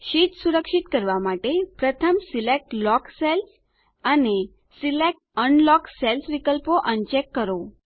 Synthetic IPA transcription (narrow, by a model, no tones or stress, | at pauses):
ʃit̪suɾəkʃit̪kəɾʋamaʈepɾət̪ʰəmsilek̚ʈlɔksels | əne | silek̚ʈəɳlɔkselsʋikəlpoʔənt͡ʃekːəɾo